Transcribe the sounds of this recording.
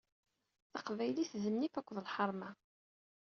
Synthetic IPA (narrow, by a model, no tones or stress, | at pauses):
θɑqvæjliθðənːifækʷːəðəlħɑɾˤma